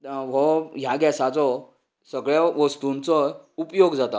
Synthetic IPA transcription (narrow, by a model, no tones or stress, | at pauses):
ɦɔɦjaɡɛsat͡sɔ | səɡɭaʋəst̪unt͡sɔupjoɡd͡zat̪a